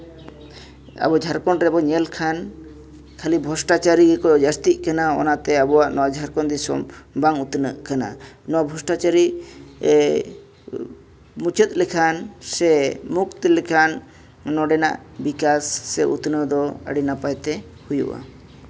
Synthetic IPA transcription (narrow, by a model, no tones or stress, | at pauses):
a̰bɔd͡ʒʱaɾkɔnɾɛbɔɲɛlkʰan | kʰalibʱɔsʈat͡ʃaɾiɡkɔɔd͡ʒast̪it̪̚ˀkanaɔ̰nat̪ɛabɔwaʔnɔwad͡ʒʱaɾkɔnd̪isɔ̰mbaŋut̪nəʔkana̰ | nɔwabʱɔsʈat͡ʃaɾi | mut͡ʃət̪̚lɛkʰansɛmuk̚t̪ɛlɛkʰanː | ɔɖɛna̰ʔ | bikasːɛʔṵt̪nəd̪ɔə̰ɽinapajt̪ɛ | hujṵʔa̰